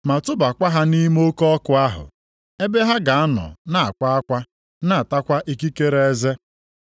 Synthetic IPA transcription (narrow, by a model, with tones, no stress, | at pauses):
ma˨tʊ˦ba˨kʷa˦ɦa˦ni˦m˦o˦kɔɔ˦kʊ˨˦a˦ɦʊ̰˨ | e˦be˦ɦa˦ɡa˨a˦nɔ̰˨na˦a̰˨kʷa˦a˦kʷa˦ | na˨a˨ta˦kʷa˦ʔi˨ki˦ke˦ɾe˦e˦ze˦